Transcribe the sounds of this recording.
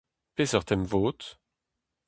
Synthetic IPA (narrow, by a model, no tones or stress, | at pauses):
pesœʁt̪ɛmvoːt̪